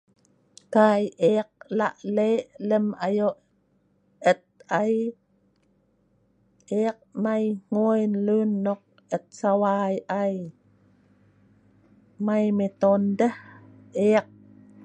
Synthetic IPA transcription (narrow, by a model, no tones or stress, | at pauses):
kajʔeq̚la̰ʔleləmajoʔ | ət̪̚aj | ʔeaq̚majŋ̥ojnlunːoq̚ | ət̪̚sawajʔaj | majmet̪ondəh | eaq̚